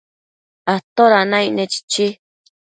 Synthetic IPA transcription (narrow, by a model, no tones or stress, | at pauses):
at̪oɾanãinẽt͡ʃi̥t͡ʃi